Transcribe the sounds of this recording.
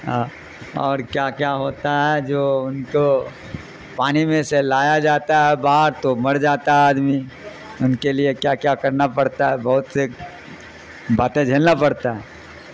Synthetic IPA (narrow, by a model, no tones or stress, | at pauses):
ɦa | ɔːɾkjaːkjaːɦoːt̪aɦɛd͡ʒoːʊnko | paːnimẽselaːjad͡ʒaːt̪aɦɛbaːɦəɾt̪omɐɾd͡ʒaːt̪aɦɛaːd̪mi | ʊnkeliekjaːkjakɐɾnapɐɽt̪aɦɛbɐɦʊt̪se | baːt̪ẽd͡ʒʱelnapɐɽt̪aɦɛː